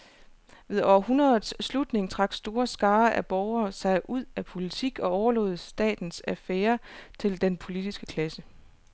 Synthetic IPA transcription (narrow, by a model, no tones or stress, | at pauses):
ʋe̝ðˠɒ̰ɐhunɐð̩ˠsːlud̥ne̝ŋt͡sʰʁɑ̈ɡ̥sd̥o̝ːɐsɡ̥ɑ̈ːʔæb̥ɒʊɐːsɑ̈ɪʔuð̰ˠæpʰo̝lit͡sʰiɡ̥ɒ̽ɒʊɐlɔ̽ːð̞̩ˠsd̥ɛ̰ːd̥n̩sæfeːɐt͡sʰe̝ld̥enpʰo̝lid̥isɡ̥ə̥kʰlæsə